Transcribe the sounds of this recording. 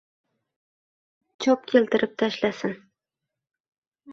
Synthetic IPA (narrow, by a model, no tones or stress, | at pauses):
t͡ʃʰɒp̚kʲʰelt̪ɪɾʔɪp̚t̪ʰaʃlasɪn